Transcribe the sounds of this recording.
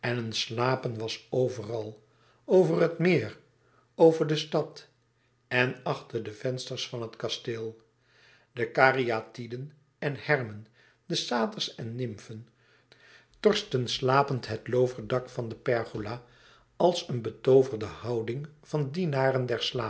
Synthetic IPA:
ɛnənslaːpənʋɑsowvərɑlˠ | owvərɦətmɪːr | owvəɹdəstɑt | ɛnɑχtəɹdəv̥ɛnstəɹsfɑnɦətkɑstɪlˠ | dəkaːriatidən | ɛnhɛrmən | dəsaːtəɹsɛnːɪmfən | tɔɹstənslaːpəntɦətlowvəɹdɑkfɑndəpɛɹχulaː | ɑlˠsənbətowvərdəhɑwdɪŋv̥ɑndinaːrəndɛɹslaː

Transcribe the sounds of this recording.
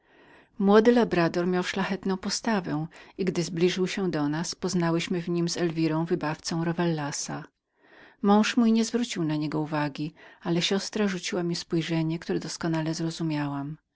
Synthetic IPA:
mwɔd̪ɘlabɾad̪ɔɾmʲjawʂlaxɛt̪nɔ̃w̃pɔst̪avɛiɡd̪ɘzblʲiʐɘwɕɛd̪ɔnaspɔznawɘɕmɘvɲimzɛlvʲiɾɔ̃w̃vɘbaft̪sɔ̃w̃ɾɔvɛlːasa | mɔ̃w̃ʂmujɲɛzvɾut͡ɕiwnaɲɛɡɔuvaɡʲialɛɕɔst̪ɾaʐut͡ɕiwamʲispujʐɛɲɛkt̪uɾɛd̪ɔskɔnalɛzɾɔzumʲjawam

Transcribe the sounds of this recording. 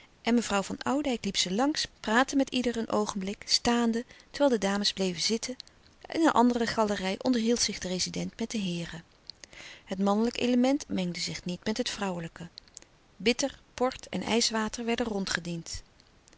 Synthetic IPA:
ʔɛnməvrʌwvɑnɑwdɛjklipsəlɑŋspraːtəmɛtidəɹənʔowχənblɪkstaːndətə̥ɹʋɛːlˠdədaːməzblejvəzɪtʰə | ʔɛ̰nənʔɑ̰ndərəχɑlərɛjʔɔndəɹɦilˠtsɪχdərejzidɛntmɛt̚dəɦɪːrə | ɦətmɑnələkḛləmɛntmɛŋdəzɪχnitmɛtɦətfrɑwələkə | bɪtəɹpɔɹtʰɛ̰nɛ̰jsʋaːtəɹʋɛɹdənrɔntχədint

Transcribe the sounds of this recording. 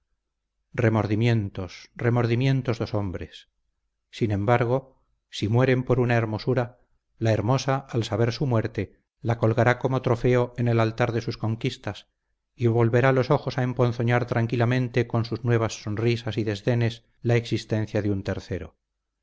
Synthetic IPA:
re̞mo̞ɾðimje̞nt̪osre̞mo̞ɾðimjẽ̞nt̪ozðo̞so̞mbɾe̞sː | inẽ̞mbaɾɣ̞o̞ | simwe̞ɾe̞mpo̞ɾunae̞ɾmo̞suɾa | lae̞ɾmo̞saːlsaβe̞ɾsumwe̞ɾt̪e̞ | lako̞lɣaɾako̞mo̞t̪ɾo̞fe̞o̞ene̞lalt̪aɾðe̞susko̞ŋkist̪as | iβo̞lβe̞ɾalo̞so̞xo̞saempo̞n̟θo̞ɲaɾt̪ɾaŋkilamẽ̞nt̪e̞ko̞nsuznwe̞β̞asːo̞nrisasiðe̞zðe̞ne̞s | laeksist̪ẽ̞nθjaðeunt̪e̞ɾθe̞ɾo̞̰

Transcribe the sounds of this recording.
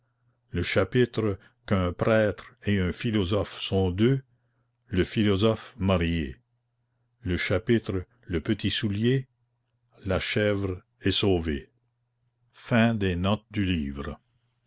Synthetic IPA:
ləʃapit̪ɾə | kə̃pɾɛːt̪ɾeɛ̃filɔzɔfsɔ̃d̪ø | ləfilɔzɔfmaɾje | ləʃapit̪ɾə | ləpət̪isulje | laʃɛvr | ɛsoːve | fɛ̃d̪enɔt̪̚d̪yliːvɾə

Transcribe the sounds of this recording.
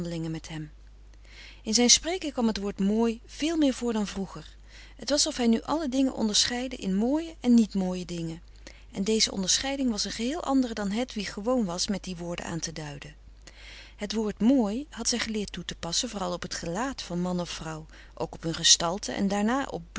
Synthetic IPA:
dəlɪŋəmɛtɦɛm | ɪnzɛjnsprejkəŋkʋɑmɦətʋoːɹtmoːjv̥ɪːlˠmɪːɹvʊːɹdɑnvruχəɹ | ɦətʋɑsɔfɦɛjnyʔɑlədɪŋə̰nʔɔ̰ndəɹsχɛjdə̰ʔɪnmoːjəʔɛnːitmoːjədɪŋən | ʔɛndejzəʔɔ̰ndəɹsχɛjdɪŋʋɑsənχəɦɪːlˠʔɑ̰ndərədɑnɦɛtʋiχəʋownʋɑsmɛt̚diʋʊːɹdə̰a̰ːntədœɥdə | ɦətʋoːɹtmoːjɦɑtsɛjχəlɪːɹtːutəpɑsənvʊːrɑlˠɔpɦətχəlaːtfɑnmɑnɔfrɑw | ʔowkɔ̥pɦɵnχəstɑlˠtʰə̰ʔɛ̰ndaːɹnaːʔɔ̰p̚b

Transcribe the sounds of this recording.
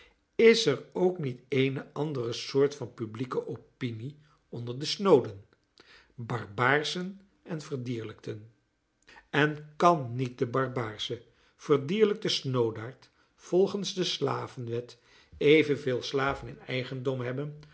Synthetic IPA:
ɪsɛɹowknitejnəʔɑndərəsʊːɹtfɑnpyblikəʔopini | ɔndəɹdəsnowdən | bɑɹbaːɹsən | ɛnvəɹdiːɹləktən | ɛnkɑnːit̚dəbɑɹbaːɹzə | v̥əɹdiːɹlək̚təsnowdaːɹt | fɔlˠχənzdəsla̰ːvənʋɛt | ejvənveːlˠslaːvənɪnɛjχəndɔmɦɛbən

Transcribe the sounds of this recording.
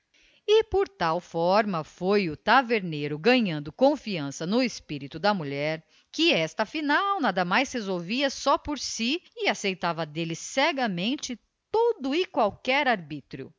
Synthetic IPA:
ɪpoɾt̪awfɔɾmɐfojʊt̪aveɾneɾʊɡɐ̃ɲɐ̃nd̪ʊkõfiɐ̃sɐnʊespiɾit̪ʊd̪ɐmuʎɛɾ | kɪɛst̪ɐfinawnad̪ɐmajshezowviɐsɔpoɾsiɪasejt̪avɐd̪elɪsɛɡɐmẽnt͡ʃɪ | tt̪od̪ʊɪkwawkɛɾaɾbit̪ɾjʊ̰

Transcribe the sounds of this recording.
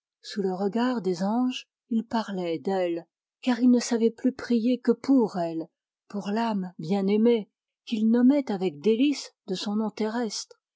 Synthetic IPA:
suləʁəɡaʁd̪ezɑ̃ʒ | ilpaʁlɛd̪ɛl | kaʁilnəsavɛplypχijekəpuʁɛl | puʁlambjɛ̃neme | kilnɔmɛt̪avɛk̚d̪elisd̪əsɔ̃nɔ̃t̪eʁɛst̪χ

